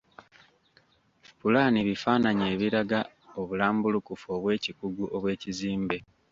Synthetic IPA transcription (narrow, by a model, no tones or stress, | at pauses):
pulaːniβifaːnaɲe̞ːβiɾaɡa | oβulaːmbulukufoːβwe̞ːcikuɡuʔo̞βwe̞ːciziːmbe